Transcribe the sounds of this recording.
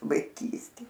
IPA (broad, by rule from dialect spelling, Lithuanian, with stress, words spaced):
ʋɐɪˈkʲiːsʲtʲeː